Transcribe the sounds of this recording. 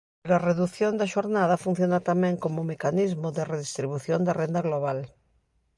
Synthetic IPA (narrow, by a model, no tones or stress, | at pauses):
ɾareðuθjond̪ɐʃoɾnaðɐfun̟θjonat̪amɛ̃ŋkomomekanizmoðereðist̪ɾiβuθjond̪arend̪aɣloβ̞al